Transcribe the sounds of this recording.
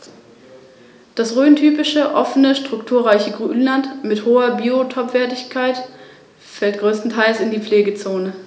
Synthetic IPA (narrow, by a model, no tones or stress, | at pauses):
d̥asʁøːntʰyːpɪʃəʔɔfənəʃtʁ̥ʊktʰuːɐʁaɪçəɡʁyːnlantmɪthoːɐbiːotʰɔpv̥ɛːɐtɪçkʰaɪt | fɛlt̚ɡ̥ʁøːstn̩tʰaɪlsɪndiːp͡fleːɡət͡soːnə